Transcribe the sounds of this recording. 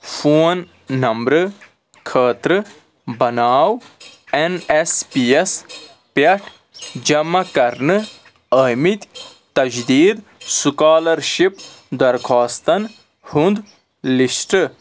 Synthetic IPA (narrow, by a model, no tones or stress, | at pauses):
fʰoːnː | ɐmbɾɨ | kʰəːt̪ɾɨ | bɐnaːwenespijes | pɐʈʰ | d͡ʒɐmːɐkɐɾnɨ | əmit̪ | t̪ɐd͡ʒd̪iːd̪sukaːlɐɾʃipd̪ɐɾkʰaːst̪ɐn | hund̪ | lisʈɨ